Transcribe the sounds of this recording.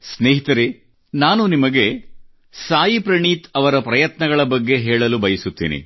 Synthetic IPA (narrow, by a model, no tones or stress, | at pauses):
sneːɦit̪ɐɾe | naːnunimɐɡe̞ | saːjipɾɐɳiːt̪ɐʋɐɾɐpɾɐjɐt̪nɐɡɐɭɐbɐɡːe̞ɦɛːɭɐlubɐjisut̪ːḭːnḭ